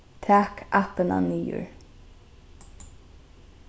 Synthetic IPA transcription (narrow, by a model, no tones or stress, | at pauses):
t̪ʰæːkʰapəna̰niːʊ̰ɹ